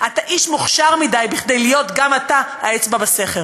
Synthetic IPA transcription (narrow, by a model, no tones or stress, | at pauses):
ʔataʔiʃmuχʃaʁmidajbiχd̪e̞jlijo̞tɡamataaet͡sbabase̞χel